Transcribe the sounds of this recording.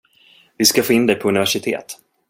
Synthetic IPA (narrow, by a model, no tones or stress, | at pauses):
vɪskafoːɪnd̪ɛjpʰɔɵnɪvæʂɪt̪ʰḛːt̪